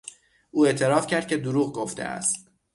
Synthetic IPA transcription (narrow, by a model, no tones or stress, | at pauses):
ʔuːe̞ʔt̪ʰe̞ɾɒːfcʰæɾd̪̚cʰe̞d̪uɾuːɣɡoft̪ḛʔæ̰st̪